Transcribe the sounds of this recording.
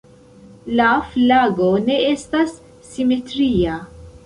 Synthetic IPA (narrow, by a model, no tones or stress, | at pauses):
lɐflaːɡonɛɛst̪ɐsː | imɛt̪ɾiːɐ